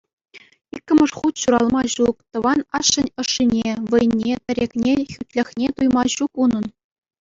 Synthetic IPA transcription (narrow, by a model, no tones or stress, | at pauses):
ikʲːɘ̆mʲɤ̆ʂχut̪ɕuɾɑlˠmɑɕuk̚t̪ɤ̆ʋɑnɑʂːɘ̆nʲɤ̆ʂːinʲeʋɤ̆jnʲːet̪ʲɘ̆ɾʲekʲnʲexʲyt̪ʲlʲɘ̆xʲnʲet̪ujmɑɕukunɤ̆n